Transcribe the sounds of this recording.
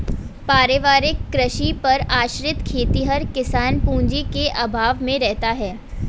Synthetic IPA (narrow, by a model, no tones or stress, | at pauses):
paːɾeʋaːɾɪkːɾəʃipɐɾaːʃɾɪt̪kʰeːt̪iɦɐɾkɪsaːnpũːɲd͡ʒikeʔɐbʱaːʋmẽɾɛɦt̪aɦɛː